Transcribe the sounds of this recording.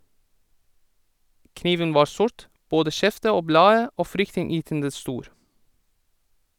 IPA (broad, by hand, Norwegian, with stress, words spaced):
ˈkniːʋən ˈʋɑː ˈsʊɹt ˈboːdə ˈʃɛftə ˈoː ˈblɑːə ˈoː ˈfɾʏktɪnˌjyːtəndə ˈstuːɾ